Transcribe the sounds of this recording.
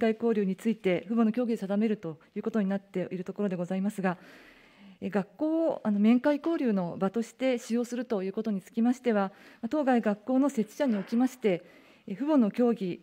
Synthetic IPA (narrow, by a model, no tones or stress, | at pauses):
kaiko̞ːɾʲɯːɲ̟it͡sɨit̪e̞ɸɯ̟bo̞no̞kʲo̞ːɡʲid̪esad̪ame̞ɾɯ̟t̪ojɯ̟ːko̞t̪o̞ɲ̟inat̪ːe̞ʔiɾɯ̟t̪o̞ko̞ɾo̞d̪e̞ɡo̞zaimasɨɡa | eɡakːo̞ːʔano̞mẽ̞ŋkaiko̞ːɾʲɯːno̞bat̪o̞ɕi̥t̪e̞ɕijo̞ːsɨɾɯ̟t̪o̞jɯ̟ːko̞t̪o̞ɲ̟it͡sɨ̥kʲimaɕi̥t̪e̞β̞amat̪o̞ːɡaiɡakːo̞ːno̞se̞t͡ɕɨ̥ɕaɲ̟io̞kʲimaɕi̥t̪e̞ | ɸɯ̟bo̞no̞kʲo̞ːɡʲi